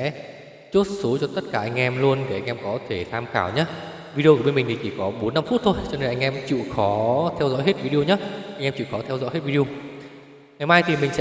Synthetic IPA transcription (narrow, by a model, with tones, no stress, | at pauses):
ɛ̰˧˥ | t͡ɕu˦˥t̚so˨˦t͡ɕɔ˧t̪ə˦˥t̚kaː˧˩ʔa˧jŋ̟ʔɛ˧mlu˧ənɗe˧˩ʔa˧ŋ̟ʔɛ˧mkɔ˨˦t̪ʰe˧˩t̪ʰaː˧mxaː˧˩wɲaː˨˦˥ | vi˧ɗi˧ʔə˧˩ɓe˧nmi˨˩ŋ̟t̪i˨˩t͡ɕi˧˨˩kɔ˨˦ɓo˨˦nːa˧mfu˦˥t̚t̪ʰo˧jt͡ɕɔ˧ne˧nʔa˧ŋ̟ʔɛ˧mt͡ɕḭ˧˨xɔ˨˦t̪ʰɛ˧wzɔ̰˧˥jɦe˦˥t̚vi˧ɗi˧o˧ɲa˦˥ʔa˧ŋʔɛ˧mt͡ɕḭ˧˨wxɔ˨˦t̪ʰɛ˧wzɔ̰˧˥jɦe˦˥t̚vi˧ɗi˧o˧ | ŋaː˨˦jmaː˧jt̪ʰi˨˩mï˨˩ŋ̟sɛ̰˧˥